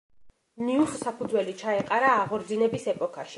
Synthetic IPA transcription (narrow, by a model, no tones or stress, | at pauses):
niuχsapʰud̪zwɛlit͡ʃʰaɛqʼaɾaːʁɔɾd̪zinɛbisɛpʼɔkʰaʃi̥